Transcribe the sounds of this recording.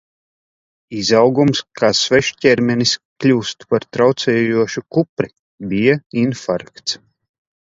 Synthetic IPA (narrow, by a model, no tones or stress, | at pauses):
izawɡumskʰaːsvɛʃcʲɛɾmʲɛnisklʲuːst̪u̥paɾt̪ɾawt̪sɛːjuɔʃukupɾi | bijainfa̰ɾkt̪s